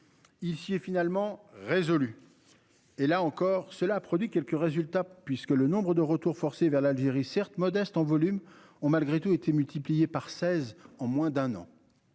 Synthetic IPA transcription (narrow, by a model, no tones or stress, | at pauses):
ilsiɛfinalmɑ̃ʁezɔly | elaɑ̃kɔːʁsəlaːpχɔd̪ɥikʲɛlkəʁezylt̪apɥiskələnɔ̃bʁəd̪əʁət̪uʁfɔʁsevɛʁlalʒeʁisɛʁt̪mɔd̪ɛst̪ɑ̃vɔlym | ɔ̃malɡʁet̪uet̪ʰemylt̪iplijepaʁsɛzɑ̃mwɛ̃d̪ɛ̃nɑ̰̃